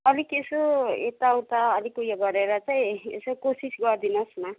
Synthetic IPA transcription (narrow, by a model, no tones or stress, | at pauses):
ʌlikesoet̪awt̪aːlikujaɡʌɾeɾʌt͡saj̃ḛsokosisɡʌrd̪inʌsma